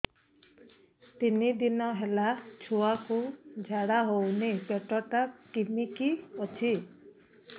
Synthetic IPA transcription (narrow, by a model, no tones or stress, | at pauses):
t̪inid̪inɔɦelat͡ʃʰuakud͡ʒʱaɽaɦownipeʈɔʈakimikiɔt͡ʃʰi